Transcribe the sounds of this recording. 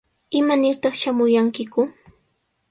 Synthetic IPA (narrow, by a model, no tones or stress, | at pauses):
ɪmanɪɾt̪ɑχʃamʊjaŋkɪkʊ